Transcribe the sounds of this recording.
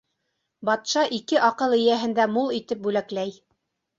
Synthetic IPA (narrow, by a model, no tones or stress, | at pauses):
bɑt̪ʃɑʔikɘʔɑqɤlˠɘ̆jæɦɘ̆nd̪æmulˠit̪ɘp̚bʉlæklæj